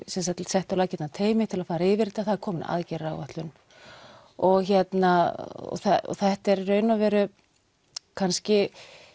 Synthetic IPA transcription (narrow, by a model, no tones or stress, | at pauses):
sɛns̬at̪ʰɪlsɛht̪awlaːcɛt̪nat̪ʰeːjmɪt̪ʰɪlaðfaːɾaɪvɪɾt̪aθaðɛɾkʰɔːmna̰ðcɛɾawvaht̪lʏn | ɔɣçɛt̪naɔ̰θɛɔ̰θɛht̪ɛɾrœːɥnavɛːɾʏ | kʰanscɪ